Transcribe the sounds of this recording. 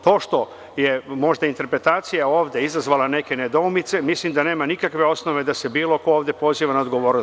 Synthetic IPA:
t̪o̞ːʃt̪o̞ | je̞mo̞ʒd̪aint̪e̞ɾpɾe̞t̪aːt̪sijao̞ːʋd̪ʲeizazʋaːlane̞ke̞ned̪oumit̪se̞mislimd̪ane̞ːmanikakʋe̞o̞sno̞ʋe̞d̪ase̞biːlo̞ko̞oːʋd̪jepo̞ziːʋanaod̪ɡo̞ʋo̞ːɾno

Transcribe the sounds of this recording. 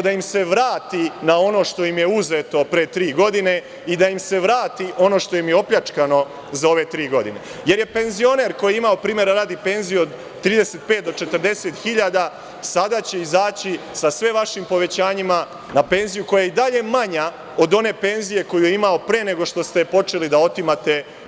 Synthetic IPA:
d̪aimse̞ʋɾaːt̪inao̞no̞ʃt̪o̞jimje̞uzet̪o̞pɾet̪ɾiːɡo̞d̪ine̞ | id̪ajimse̞ʋɾaːt̪iʔo̞no̞ːʃt̪o̞jimjeo̞pʎat͡ʃkano̞ | zao̞ʋe̞t̪ɾiːɡo̞d̪ine̞ | je̞ɾje̞pe̞nzio̞ne̞ɾko̞jeimaopɾiːmje̞ɾaɾaːd̪ipe̞nzijuod̪ | t̪ːɾiːd̪e̞se̞t̪̚peːt̪̚d̪o̞t͡ʃe̞t̪əɾd̪e̞se̞t̪xiʎad̪a | sad̪at͡ɕeizaːt͡ɕisasʋeʋaʃimpo̞ʋe̞t͡ɕaːɲima | nape̞nzijuko̞jajeid̪aʎe̞maɲa | o̞d̪o̞ne̞ːpe̞nzije̞ko̞jujeimao̞pɾeːne̞ɡo̞ʃt̪o̞st̪epo̞t͡ʃe̞lid̪ao̞t̪imat̪e̞

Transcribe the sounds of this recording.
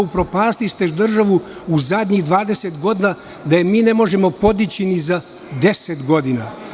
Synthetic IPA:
upɾo̞paːst̪ist̪eʒd̪r̩ʒaʋuuzad̪ɲiɣd̪ʋaːd̪e̞set̪ɡo̞d̪ina | d̪ajemiːne̞mo̞ʒe̞mo̞po̞d̪it͡ɕiniza | d̪e̞set̪ɡo̞d̪ina

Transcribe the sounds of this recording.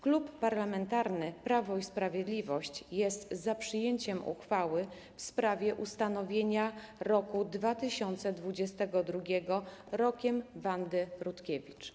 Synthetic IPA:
klupːaɾlamɛnt̪aɾnɘpɾavɔispɾavʲjed̪lʲivɔɕt͡ɕjɛst̪zapʂɘjeɲt͡ɕɛmṵxfawɘ | fspɾavʲjɛʔust̪anɔvʲjeɲaɾɔkud̪vat̪ɘɕɔnt̪sɛd̪vud͡ʑɛst̪ɛɡɔd̪ɾuɡʲɛɡɔɾɔkʲɛmvand̪ɘɾut̪kʲevʲit͡ʂ

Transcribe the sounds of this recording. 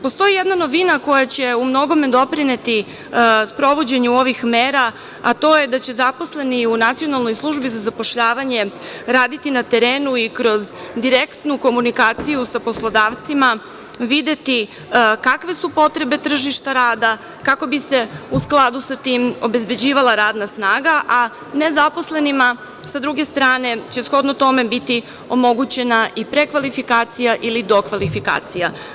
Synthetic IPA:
post̪o̞jijed̪nano̞ʋinako̞jat͡ɕe̞umno̞ɡo̞med̪o̞pɾine̞t̪i | spɾo̞ʋo̞d͡ʑe̞ɲuo̞ʋixmeːɾaː | t̪o̞je̞d̪at͡ɕe̞zapo̞sle̞niunat̪sijo̞nalˠno̞jslˠuʒbizazapo̞ʃʎaːʋaɲe̞ɾaːd̪it̪inat̪e̞ɾeːnuikɾo̞zd̪iɾekt̪nuko̞munikaːt̪sijusapo̞slˠo̞d̪aːʋt̪sima | ʋid̪e̞t̪i | kakʋe̞supo̞t̪ɾe̞be̞t̪r̩ʒiʃt̪aɾaːd̪a | kako̞bise̞usklˠad̪usat̪iːmo̞be̞zbe̞d͡ʑiːʋalˠaɾaːd̪nasnaːɡaʔa | ne̞zapo̞sle̞nima | sad̪ɾuɡe̞st̪ɾaːne̞t͡ɕe̞sxo̞d̪not̪o̞me̞bit̪i | o̞mo̞ɡut͡ɕe̞naʔipɾe̞kʋalifikaːt̪sijaʔilid̪o̞kʋalifika̰ːt̪sija

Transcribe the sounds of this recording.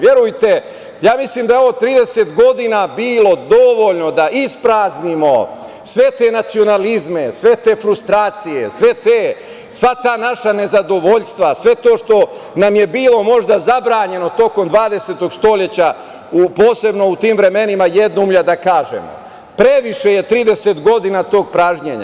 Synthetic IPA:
ʋje̞ɾujt̪e̞ | jaːmisliːmd̪aoʋot̪ɾiːd̪e̞set̪ɡo̞d̪inabiːlo̞d̪o̞ʋoʎno̞d̪aʔispɾaːznimo̞ | sʋe̞t̪e̞ːnat̪sio̞nalizme̞sʋe̞t̪e̞ːfɾust̪ɾaːt̪sije̞̰sʋe̞t̪eː | sʋat̪aːnaʃane̞zad̪o̞ʋo̞ʎst̪ʋasʋe̞t̪o̞ːʃt̪o̞namje̞biːlo̞mo̞ʒd̪azabɾaːɲe̞no̞t̪o̞ko̞md̪ʋaːd̪e̞se̞t̪o̞ɡst̪o̞ʎe̞t͡ɕa | upo̞ːse̞bno̞ut̪iːmʋɾe̞me̞nimajed̪nuumʎad̪akaːʒḛmo̰ | pɾe̞ʋiʃe̞je̞t̪ɾiːd̪e̞se̞t̪ɡo̞d̪inat̪o̞ːɡ̚pɾaːʒɲḛɲa

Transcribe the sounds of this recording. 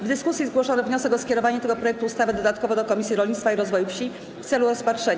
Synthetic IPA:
vd̪ɘskusʲjizɡwɔʂɔnɛvɲɔsɛkɔskʲɛɾɔvaɲɛt̪ɛɡɔpɾɔjɛk̚t̪uːst̪avɘd̪ɔd̪at̪kɔvɔd̪ɔkɔmʲisʲjiɾɔlɲit̪t̪faiɾɔzvɔjufɕi | ft̪sɛluɾɔspatʂɛɲ

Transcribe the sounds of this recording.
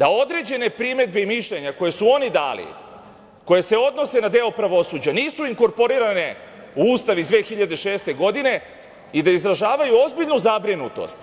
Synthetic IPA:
d̪̥ao̞d̪ɾe̞d͡ʑe̞ne̞pɾime̞d̪̚beimiʃʎe̞ɲako̞je̞suo̞nid̪a̰ːlḭ | ko̞je̞se̞o̞d̪no̞se̞nad̪e̞opɾaʋo̞suːd͡ʑaniːsuiŋko̞ɾpo̞ɾiːɾane̞ | uuːst̪aʋiizʋe̞ːxiʎad̪e̞ʃe̞ːst̪e̞ɡo̞d̪ine̞ | id̪aizɾaʒaːʋajuo̞zbiʎnuzabɾinut̪o̞̰st̪

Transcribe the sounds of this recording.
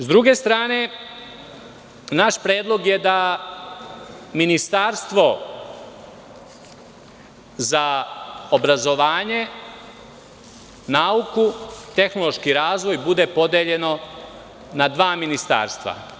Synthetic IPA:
zd̪ɾuɡe̞st̪ɾaːne̞ | naʃpɾeːd̪lˠo̞ɡjed̪a | minist̪aːɾst̪ʋo̞ | zaobɾazo̞ʋaːɲe̞ | naːukut̪e̞xno̞lˠo̞ʃkiɾaːzʋo̞jbud̪e̞po̞d̪e̞ʎe̞no̞ | nad̪ʋaːminist̪a̰ːɾst̪ʋa̰

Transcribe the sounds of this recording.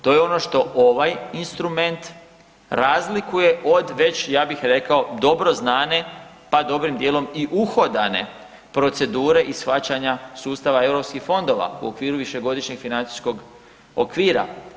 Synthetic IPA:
t̪o̞je̞o̞no̞ʃt̪o̞ʔoʋajinst̪ɾume̞nt̪ | ɾazlikuje̞ʔo̞d̪ʋe̞t͡ɕjaːbixɾe̞kao̞d̪o̞bɾo̞znaːne̞ | pad̪o̞bɾimd̪je̞ːlo̞miʔuxo̞d̪ane̞̰ | pɾo̞t̪se̞d̪uːɾe̞ʔisxat͡ɕaɲasuːst̪aʋae̞ʋɾo̞pskixfo̞nd̪o̞ʋa̰ṵokʋiːɾuʋiʃe̞ɡo̞d̪iʃɲeɡ̥finant̪i̥sko̞ɡ | o̰kʋiːɾa̰

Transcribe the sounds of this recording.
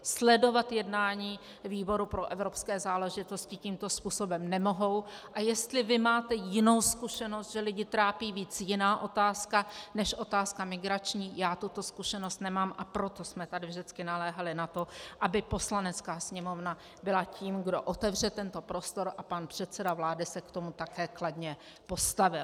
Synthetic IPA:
slɛdo̞vat̪jɛdnaːɲiː | viːbo̞ɾupɾo̞ʔɛvɾopskɛːzaːlɛʒɪt̪o̞scɪciːmt̪o̞spuːso̞bɛmnɛmo̞ɦo̞wʔajɛst̪lɪvɪmaːt̪ɛjɪno̞wskuʃɛnost̪ʒɛlɪɟɪt̪ɾaːpiːviːt͡sjɪnaːʔo̞t̪aːskanɛʃʔo̞t̪aːskamɪɡɾat͡ʃɲiːjaːt̪ut̪o̞skuʃɛnost̪nɛmaːmʔapɾo̞t̪o̞smɛt̪adɪvʒdɪt͡skɪnalɛːɦalɪnat̪o̞ʔabɪpo̞slanɛt͡skaːsɲɛmo̞vna | bɪlaciːmɡdo̞̰ʔot̪ɛvr̝ɛt̪ɛnt̪o̞pɾo̞st̪o̞ɾʔapanpr̝̥ɛt̪t͡sɛdavlaːdɪsɛkt̪o̞mut̪akɛːkladɲɛ | po̞st̪avɪl

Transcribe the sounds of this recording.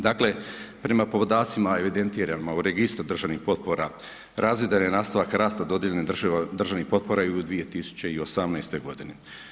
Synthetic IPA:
d̪akle̞pɾe̞mapopod̪aːt̪simae̞ʋid̪e̞nt̪iːɾanmauɾeɡist̪ɾud̪r̩ʒaʋnixpo̞t̪̚po̞ɾa | ɾʔazʋid̪anenaːst̪aʋakɾaːst̪ad̪o̞d̪jeʎened̪r̩ʒaʋnixpo̞t̪̚po̞ɾajeud̪ʋie̞t̪isu̥t͡ɕe̞io̞samnajst̪ojɡo̞d̪ini

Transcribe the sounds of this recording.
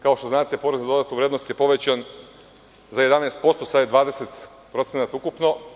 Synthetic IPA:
kaoʃt̪oznaːt̪epo̞ɾezad̪o̞d̪at̪nuʋɾed̪nost̪jepo̞ʋe̞t͡ɕan | zaje̞d̪anest̪̚po̞st̪osad̪jed̪ʋaːd̪eset̪ | pɾosenat̪aukupno̞

